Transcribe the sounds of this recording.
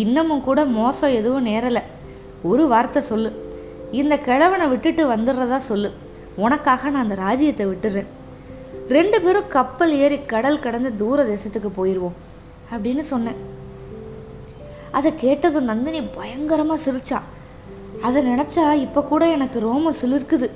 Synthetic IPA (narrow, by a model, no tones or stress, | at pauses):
ɪnːɐmɯmkuːɽɐmoːsɐ̃ɛðɯʋɯ̃neːɾɐlɐ | ɔɾɯʋaːɾt̪ːɐsɔlːɯ | ɪnd̪ɐkɛɻɐʋɐnɐʋɪʈːɯʈːɯʋɐnd̪ɯɾɾɐðãːsɔlːɯ | ɔnɐkːaːɣɐnãːɐnd̪ɐɾaːd͡ʒɪjɐt̪ːɛʋɪʈːɯɾɾẽː | ɾɛɳɖɯpeːɾɯ̃kɐpːɐleːɾikɐɽɐlkɪɽɐnd̪ɐd̪uːɾɐd̪eːsɐt̪ːɯkːɯpoːjɪɾɯʋõː | ɐpːɐɽɪnːɯsɔnːẽː | ɐðɛkeːʈːɐðɯ̃nɐnd̪ɪnibɐjɐŋɡɐɾɐmaːsɪɾɯt͡ʃːã̰ː | ɐðɛnɪɳɐt͡ʃːaːɪpːokuːɽɐɛnɐkːɯɾoːmɐsɪlːɪɾkɯðɯ